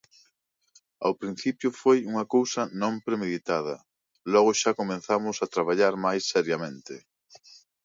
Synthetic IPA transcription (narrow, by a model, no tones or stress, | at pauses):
a̰wpɾin̟θipjʊfojuŋɐkowsɐnõmpɾemeðit̪að̞ɐ̰ | lɔɣʊʃakomẽnθamʊsat̪ɾaβ̞aʎaɾmajsːɛɾjɐmẽnt̪ɪ